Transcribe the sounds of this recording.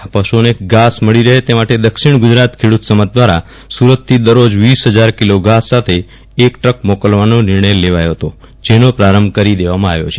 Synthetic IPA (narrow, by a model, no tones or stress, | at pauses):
pəʃuoneɡasməɭiɾəɦet̪emaʈed̪əkʃiɳ̃ɡʊd͡ʒɾat̪kʰeɽut̪səmad͡ʒ̚d̪ʋaɾa | suɾət̪ʰːid̪əɾod͡ʒʋisɦəd͡ʒaɾkiloɡasːat̪ʰeː | kʈək̚mokəlʋanonɪɾɳəjleʋajoɦət̪o | d͡ʒenopɾaɾəmbkəɾid̪eʋamãaʋjo̰t͡ʃʰe